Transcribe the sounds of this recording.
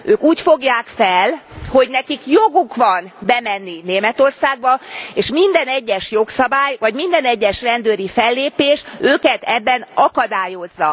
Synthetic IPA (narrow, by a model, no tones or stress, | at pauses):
øːkuːcfoɡjaːkfɛlho̞ɟnɛkikjoɡukʋɒnbɛmɛnːineːmɛt̪o̞rsaːɡ̚bɒeːʃmind̪ɛnɛɟːɛʃjo̞ksɒbaːjvɒɟmind̪ɛnɛɟːɛʃrɛnd̪øːɾifɛlːeːpeːʃøːkɛt̪ɛbːɛnɒkɒd̪aːjo̞zːɒ